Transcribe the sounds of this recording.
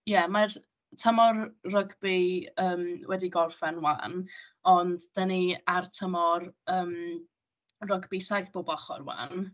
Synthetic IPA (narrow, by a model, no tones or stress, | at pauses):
jɛmar | tʰəmɔrrəɡbiəːmwɛdiɡɔrfɛnwa̰ːnɔndd̥əniartʰəmɔrəːm | rəɡbisajθb̥oːbɔχɔ̰rwa̰n